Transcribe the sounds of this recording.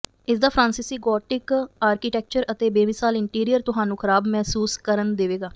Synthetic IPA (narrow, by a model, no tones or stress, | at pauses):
ɪsd̪aːpʰɾãːnsiːsiːɡɔːʈɪkaːɾkiːʈɛːk̚t͡ʃəɾət̪eːbeːmɪsaːlɪɳʈiːɾijəɾt̪ʊɦaːnũːkʰəɾaːbmɛːsuːskəɾənd̪eːʋeːɡaː